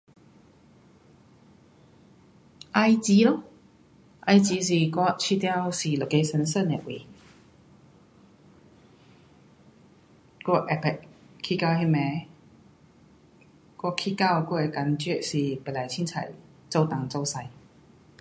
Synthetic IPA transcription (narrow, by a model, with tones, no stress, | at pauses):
ʔa˧jt͡ɕi˨˦lo˧˦ | ʔa˧jt͡ɕi˨˧˦s̬i˨˩kwɔ˥˧t͡ɕʰi˧t̪ja˥˧wsi˨˩lo˨˩ke˧˦sə˧˦nsə˥˨nɛ˨ʔwḭ˨˩ | kɔ˥˧˩ʔɛ˨˩pɛ˨ʔkʰi˧ka˧whi˧˥mɛ˨˧˦ | kɔ˥˧˨kʰi˧˩ka˥˧˨wkɔ˥˧˨e˨˩ka˨˥nt͡ɕɛ˥˨ʔsi˨˩pɛ˨la˨˩jt͡ɕʰi˥nt͡sʰa̰˨˩j | t͡so˥˧wt̪a˨˩ŋt͡so˧wsa˧j